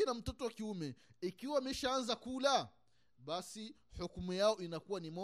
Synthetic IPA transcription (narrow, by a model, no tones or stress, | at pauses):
inam̩tɔtɔwakiumɛikiwaːmɛʃaanzakula | ɓasi | hukumujaɔinakuwanimɔ